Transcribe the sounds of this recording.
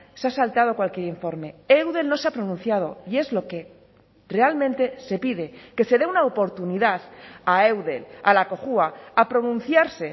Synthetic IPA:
seasalt̪að̞okwalkje̞ɾiɱfo̞ɾme̞ewðe̞lno̞seapɾo̞nũnθjað̞o̞̰ie̞zlo̞ke̞ | re̞almẽ̞nt̪e̞se̞piðe̞ke̞se̞ðeunaopo̞ɾt̪uniðaθaewðe̞̰la̰lako̞xuaapɾo̞nũn̟θjaɾse̞

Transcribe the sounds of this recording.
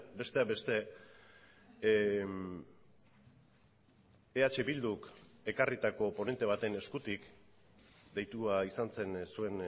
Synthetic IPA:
be̞st̪e̞abe̞st̪e̞ | eat͡ʃe̞βild̪uke̞karit̪ako̞po̞ne̞nt̪e̞β̞at̪e̞ne̞skut̪ik | d̪e̞jt̪uaisant͡se̞nsue̞n

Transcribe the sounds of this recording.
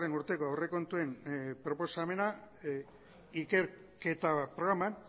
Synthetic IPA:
re̞nuɾt̪e̞ko̞awre̞ko̞nt̪ue̞mpɾo̞po̞same̞na | ike̞ɾ | ke̞t̪apɾo̞ɣɾaman

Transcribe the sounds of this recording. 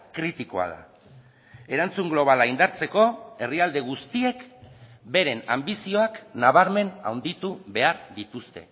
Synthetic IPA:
kɾit̪iko̞̰a̰ð̞a̰ | e̞ɾant͡suŋɡlo̞β̞alaind̪aɾt͡se̞ko̞e̞riald̪e̞ɣ̞ust̪ie̞k | be̞ɾe̞nambisio̞aknaβ̞aɾme̞na̰wnd̪it̪uβe̞aɾðit̪ust̪e̞

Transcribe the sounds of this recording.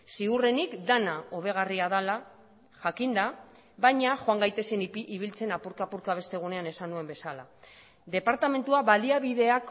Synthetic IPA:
siure̞nikd̪anao̞β̞e̞ɣ̞ariaðala | ʝakind̪a | βajɲaʝoaŋɡajt̪e̞seniβilt͡se̞napuɾkaːpuɾkaβ̞e̞st̪e̞ɣ̞une̞ane̞sanue̞mbe̞sala̰ | ðe̞paɾt̪ame̞nt̪uaβaliaβiðe̞ak

